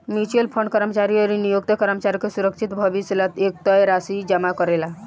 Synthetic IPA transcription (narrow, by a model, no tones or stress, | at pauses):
mit͡ʃəlpʰəɳɖkəɾəmt͡ʃaɾiəɾinijok̚t̪əkəɾəmt͡ʃaɾkesuɾəkʃʰit̪bʱəʋislət̪ek̚t̪ɔjɾasid͡ʒəmakɔɾela